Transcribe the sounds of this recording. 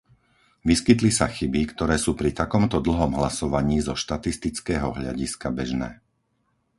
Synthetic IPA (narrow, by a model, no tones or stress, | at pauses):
ʋiskit̪lisaxibikt̪ɔɾɛːsuːpɾit̪akɔmt̪ɔd̪l̩ɦɔmɦlasɔʋaɲiːzɔʃt̪at̪ist̪it͡skɛːɦɔɦʎa̰ɟiskabɛʒnɛ̰ː